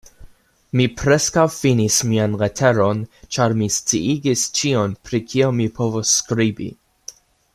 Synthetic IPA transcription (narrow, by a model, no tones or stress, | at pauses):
mipɾeskawfinismianɾetʰe̞ɾo̞nt͡ʃaɾmist͡siiɡist͡ʃio̞npɾikʰio̞mipʰo̞vosːkɾibḭ